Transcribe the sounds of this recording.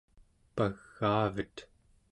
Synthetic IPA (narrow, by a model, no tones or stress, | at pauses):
paɣːaːvət̪